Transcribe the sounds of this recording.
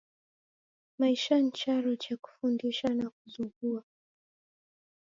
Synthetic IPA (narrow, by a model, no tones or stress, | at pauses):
maiʃan̩t͡ʃaɾut͡ʃaku̥fundiʃanakuzuŋɡua